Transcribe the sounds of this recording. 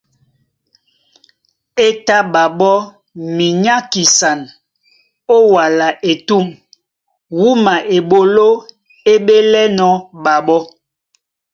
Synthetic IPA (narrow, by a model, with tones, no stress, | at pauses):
e˦ta˦ɓa˨ɓɔ˦ | mi˨ɲa˦ki˨sa˨n | o˦wa˨la˨ʔe˨tu˦˨m | wu˦ma˨ʔe˨ɓo˨lo˦ | e˦ɓe˦lɛ˦nɔ˨˦ɓa˨ɓɔ˦